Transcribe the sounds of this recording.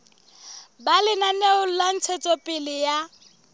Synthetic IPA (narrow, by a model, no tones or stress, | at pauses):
balɪnaneʊl̩lan̩t͡sʰet͡sʼɔpʼɪlɪja